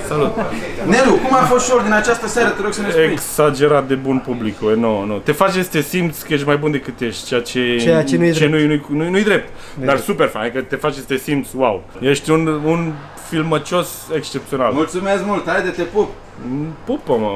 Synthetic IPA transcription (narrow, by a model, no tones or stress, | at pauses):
salut̪nelukumafost̪ʃoɾd̪inat͡ʃast̪əsaɾət̪eɾoɡ̥səmeeksad͡ʒe̞ɾat̪̚d̪e̞bunpublikuenonot̪e̞fat͡ʃesʲt̪esimt̪skəjeʃ̬t̪majbund̪e̞kɨt̪ːjeʃt̪̚ʲt͡ʃejat͡ʃeeaenut͡ʃt͡ʃenujnujnujnujd̪ɾe̞p̚t̪ | d̪arsupe̞rfanekət̪e̞fat͡ʃesʲt̪esimt̪swaw | jeʃt̪ʲunun | filmət͡ʃo̞s | ekst͡ʃep̚t̪sio̞nalmult̪sumesmult̪aed̪et̪epup | pupəmə